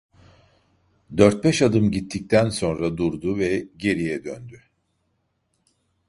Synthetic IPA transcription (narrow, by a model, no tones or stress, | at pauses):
d̪øɾt̪̚bɛʃad̪ɯmɟit̪ʰːic̚t̪ʰænso̞nɾad̪uɾd̪uvɛɟe̞ɾijɛd̪ønd̪y